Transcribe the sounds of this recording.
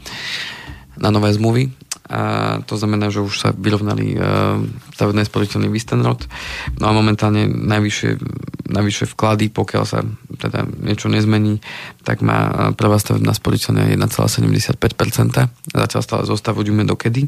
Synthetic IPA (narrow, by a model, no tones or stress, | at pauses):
nanɔʋɛːzmluʋi | t̪ɔznamɛnaːʒɛuʃsa̰ʋiɾɔʊnalḭ | st̪aʋɛbnɛːspɔɾicɛlniːʋist̪ɛnɾɔt̪nɔamɔmɛnt̪aːlɲɛnajʋiʃɪɛ̰najʋiʃɪɛfklad̪ipɔkɪa̰lsa̰t̪ɛd̪a̰ɲɪɛt͡ʃɔɲɛzmɛɲiːt̪a̰ɡma̰ːpr̩ʋaːst̪aʋɛ̰bna̰ːspɔlicɛlna̰ːjɛ̰d̪nat͡sɛla̰ːsɛɟɛmɟɛsɪat̪̚pɛc̚pɛɾt͡sɛnt̪aza̰calst̪aːlɛ̰zɔst̪aʋuɟumɛd̪ɔkɛd̪i